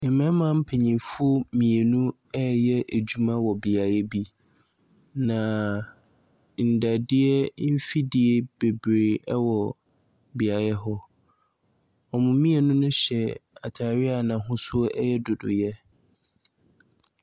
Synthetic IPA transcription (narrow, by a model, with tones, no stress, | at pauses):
ɪ̃˨mɛ̃˦mã˦m̩˦pʰe˨ɲĩ˨fʊ˦o˦mĩ˨e˨nũ˦ | ɛ˦jɛ˦ʔæ˨d͡ʑu˦mã˦wɔ˨bɪ˨a˨jɛ˦bi˦ | nã˨ | n̩˨da˨dɪ˦ɛ˦m̩˦fi˦dɪ˨e˦b̥e˨bɾe˨ɛ˦wɔ˨ | bɪ˨a˨jɛ˦ɦɔ˦ | ɔ˨mʊ̃˨mĩ˦e˨nʊ̃˦nʊ̃˦ɕɛ˨a˨tʰa˨ɾɪ˦a˨nã˨ɦʊ̃˦sʊ˦ɔ˦ʔɛ˦jɛ˦dʊ˨dʊ̰˨jɛ˦